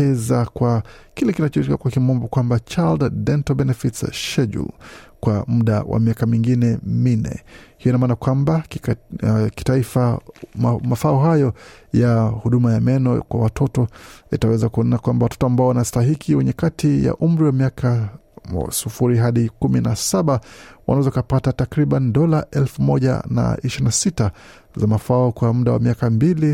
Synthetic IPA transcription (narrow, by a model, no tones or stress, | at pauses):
ɛzakwa | kilɛkinat͡ʃɔiɾikakwakimɔmbɔkwambat͡ʃalddɛntɔbɛnɛfitsʃɛʄṵlkwamuɗa̰wa̰miakamiŋɡinɛminɛ̰hijɔinamaːnakwamba | ki̥taifa | mafauɦajɔjahuɗumajamɛnɔkwa̰watʰɔtɔḭtawɛzakuɔninakwambawatɔ̥tɔambaɔwanastaɦikʰiwɛɲɛkatʰija̰ʔum̩ɾiwamiakʰa̰ | sufuɾiɦaɗikuminasaɓawanawɛzɔkapatatakɾiɓaniɗɔlaʔɛlfumɔʄa̰na̰iʃiɾinasita | zamafaɔkwamuɗawa̰miakambili